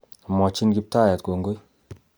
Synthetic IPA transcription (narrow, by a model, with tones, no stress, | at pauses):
mɔ˨t͡ʃi˦nɡi˦p̚ta˦˨ja˨tɡo˨ŋɡo˦j